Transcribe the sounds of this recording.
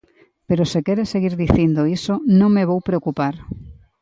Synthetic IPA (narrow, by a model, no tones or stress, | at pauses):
peɾosekɛɾeseɣiɾðiθind̪oisonõŋmeβowpɾeokupaɾ